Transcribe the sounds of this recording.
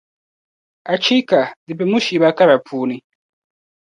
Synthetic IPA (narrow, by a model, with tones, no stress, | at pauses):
a˨t͡ʃi˦ka˨di˨pe˨mu˦ʃi˨βa˦ka˦ɾa˨pʰuː˦ni˦